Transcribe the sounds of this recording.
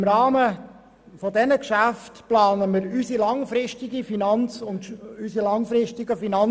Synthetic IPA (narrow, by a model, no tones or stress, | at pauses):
mɾɑːmə | fɔdɛnəkʃæftplɑːnəməɾysilɑŋfɾɪʃtɪɡifinɑnt͡sʊntysilɑŋfɾɪʃtɪɡəfinɑn